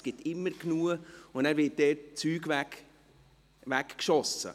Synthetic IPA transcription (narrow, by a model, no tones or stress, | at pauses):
sɡ̥ɪtɪmːəɾknuəʊnæːɾvɪːt̚d̥ɛt̚t͡syːɡʋæk | ʋækkʃɔsə̰